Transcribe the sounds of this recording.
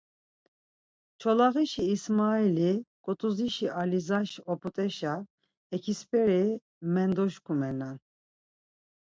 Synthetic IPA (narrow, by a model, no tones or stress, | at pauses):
t͡ʃʰɔlaɣiʃiːsmailikʼɔt̪ʼuziʃiʔalizaʃɔpʼut̪ʼɛʃa | ɛkʰispʰʼɛɾi | mɛnd̪ɔʃkʰumɛnan